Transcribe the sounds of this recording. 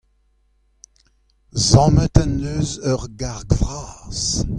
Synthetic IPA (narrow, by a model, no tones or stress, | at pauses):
zɑ̃ːmətanøːzœʁɡaʁɡvʁaːz̥